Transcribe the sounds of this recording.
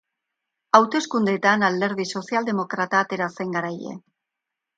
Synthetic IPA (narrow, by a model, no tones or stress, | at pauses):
awt̪e̞skund̪e̞ːt̪anald̪e̞ɾð̞iso̞siald̪e̞mo̞kɾat̪aːt̪e̞ɾase̞ŋɡaɾaje̞̰